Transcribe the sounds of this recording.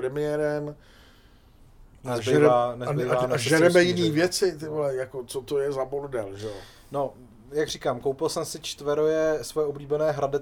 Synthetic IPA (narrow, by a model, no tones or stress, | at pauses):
ɾɛmɪjɛːɾɛm | nɛzʒɛɛɾaːnɛzbejvaːnɛaʒɛɾɛmɛjɪniːvjɛt͡sɪt̪ɪɦlɛjakot͡sot̪ojɛzaboɾdɛlʒɛo | no̞ | jaɡr̝ikaːmkowpɪlsɛmsɪt͡ʃt̪vɛɾojɛsvojɛʔobliːbɛnɛːɦɾadɪ